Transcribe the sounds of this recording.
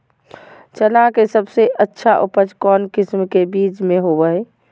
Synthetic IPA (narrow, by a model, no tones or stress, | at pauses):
t͡ʃəlakesəbseətːʃʰaʔupət͡ʃkɔnkismkebid͡ʒmeɦobə